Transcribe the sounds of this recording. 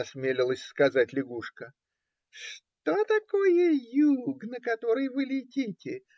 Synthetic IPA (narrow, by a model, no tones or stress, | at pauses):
ɐsmʲelʲɪlˠəsʲskɐzatʲlʲɪɡuʂkə | ʂt̪ot̪ɐkojəjuɡnəkɐt̪o̞ɾɨjvɨlʲɪtʲitʲɪ